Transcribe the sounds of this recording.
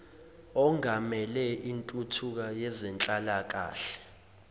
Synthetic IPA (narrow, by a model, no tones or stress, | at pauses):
ɔŋamɛlɛʔintʼutʰuk̬ajɛzɛnt͡ɬʼalak̬a̰ːɬɛ̥